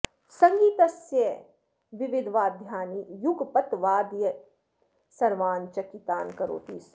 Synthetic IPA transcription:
sɐ̃ŋɡiːt̪ɐsjɐ | ʋɪʋɪd̪ʱʋaːd̪ʱjaːnijuɡpɐt̪ʋaːd̪jə | sɐɾʋaːnt͡ʃɐkit̪aːnkɐɾo̰ːt̪iːs

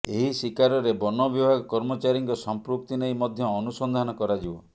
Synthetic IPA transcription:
eɦisikaɾɔɾebɔnɔbibʱaɡɔkɔɾmɔt͡ʃaɾiŋkɔsɔmpɾuk̚t̪ineimɔd̪ʱjɔːnusɔnd̪ʱanɔkɔɾad͡ʒibɔ̰

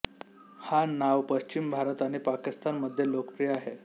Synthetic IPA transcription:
hanaʋpəɕt͡ɕimbʱaɾət̪aɽ̃ipakist̪anməd̪ʱːjelokəpɾijəaɦe

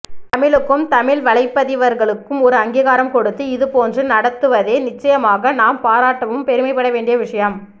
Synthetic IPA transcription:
t̪ɐmɪɭɯkːɯmt̪ɐmɪɭʋɐɭɐɪpːɐðɪʋɐɾɣɐɭɯkːɯmɔɾɯɐŋɡiːɣaːɾɐmkɔɽɯt̪ːɯɪðɯpoːndrɯnɐɽɐt̪ːɯʋɐðeːnɪt͡ʃːɐjɐmaːɣɐnaːmpaːɾaːʈːɐʋɯmpɛɾɯmɐɪpːɐɽɐʋeːɳɖɪjɐʋɪʂɐjɐm

